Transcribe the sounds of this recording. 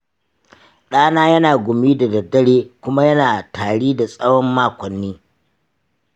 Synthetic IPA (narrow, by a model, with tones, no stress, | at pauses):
ɗaː˦naː˦jɐ˦naː˨ɡʷʊ˨miː˦da˨dɐ˨rdɐ˦ɽeː˦kʷʊ˦ma˦jɐ˦naː˨tʰaː˨ɽiː˦da˨sʼɐ˦wɔ˦mːaː˦kʷɔ˨nːiː˦